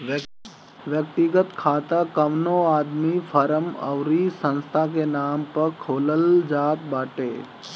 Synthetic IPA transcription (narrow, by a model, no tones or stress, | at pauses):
ʋjəkt̪iɡət̪kʰaːt̪akɐʋnõːaːd̪mifʰɐɾəmɐ̰ʋɾiːsɐ̃nst̪ʰak̬enaːmpɐɾkʰoːləld͡ʒaːt̪baːʈeː